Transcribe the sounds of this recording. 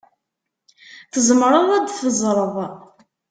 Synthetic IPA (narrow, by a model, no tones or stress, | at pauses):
θəzmɾˤəðˤæd̪θəzˤɾˤəðˤ